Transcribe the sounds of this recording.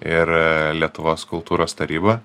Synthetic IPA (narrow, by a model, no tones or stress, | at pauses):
ɪɾlʲiɛt̪ʊʋoːskʊlˠt̪uːɾoːst̪ɐɾʲiːbɐ